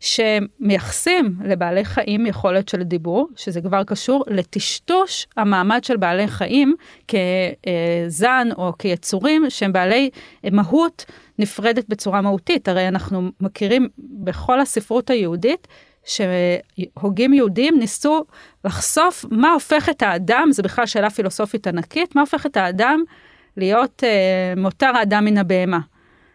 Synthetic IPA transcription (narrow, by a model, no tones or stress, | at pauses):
ʃeːejaχsimle̞baːle̞jχaʔimjeχo̞le̞tʃe̞ldibuʁʃezekvaʁkaʃuʁle̞tiʃtuʃhamaːmadʃelbaːle̞jχaʔimke̞ | zano̞kejet͡suʁimʃehembaːle̞jmaɦut | nifʁe̞det̚bet͡suʁamahutitaʁejanaχnumakiʁimbe̞χo̞lasifʁutajeudit | ʃe̞ho̞ɡimjeudiimnisu | laχso̞fmao̞fe̞χe̞thaːdamzebiχlalʃeːlafilo̞so̞fitanakitmao̞fe̞χe̞thaːdam | lijo̞temotaʁaːdamːinabeema